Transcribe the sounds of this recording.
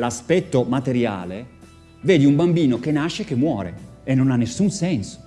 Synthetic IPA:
laspɛt̪ːomat̪eɾja̰ːle | veːd̪iumbambiːnok̟enːaʃːekːemːwɔːɾḛ | enːonanːesːunsɛnso̥

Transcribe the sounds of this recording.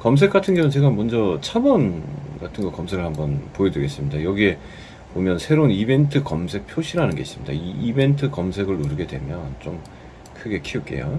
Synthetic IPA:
kʌms̬ʰe̞k͈atʰɯnɡʌnɯnt͡ɕeɡamwʌnd͡ʑʌt͡ɕʰabʌnɡatʰɯnɡʌkʌmsʰeɡɯɭhambʌnpoedwɯɡe̞s͈ɯmɲidajʌɡie̞ | pomjʌnsʰe̞ɾonibe̞ntʰɯkʌmsʰe̞k̚pʰjoɕʰiɾanɯnɡe̞̰is͈ɯmɲida̰iːbe̞ntʰɯkʌmsʰe̞ɡɯɭuɾɯɡe̞dwe̞̰mjʌnt͡ɕom | kʰɯɡe̞kʰiuk͈e̞̰jo̰

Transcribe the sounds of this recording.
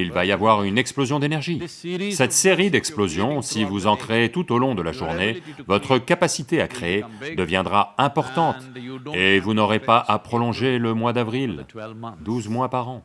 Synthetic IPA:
ilvajavwaʁynɛksplozjɔ̃d̪enɛʁʒisɛt̪seʁid̪ɛksplozjɔ̃sivuzɑ̃kχeːt̪ut̪olɔ̃d̪əlaʒuʁnevɔt̪χəkapasit̪eakχeed̪əvjɛ̃d̪ʁaɛ̃pɔʁt̪ɑ̃t̪evunɔʁepaʔapχɔlɔ̃ʒeləmwad̪avʁild̪uzmwapaʁɑ̃

